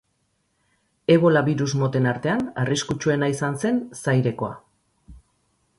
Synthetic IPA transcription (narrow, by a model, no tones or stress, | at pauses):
e̞βo̞laβiɾuzmo̞t̪e̞naɾt̪e̞anariskut͡ʃue̞naisanse̞nsajɾe̞ko̞a̰